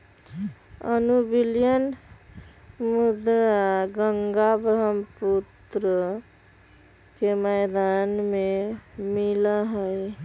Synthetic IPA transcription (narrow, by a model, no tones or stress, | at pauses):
ənubiljən | mud̪ɾaɡəŋɡabɾəmput̪ɾə | keməjd̪anmemilaɦəj